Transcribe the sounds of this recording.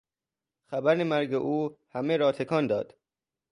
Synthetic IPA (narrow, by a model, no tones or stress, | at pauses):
xæbæɾnemæɾɡeʔuːhæmeɾɒːt̪ʰekʰɒːnd̪ɒːd̪̥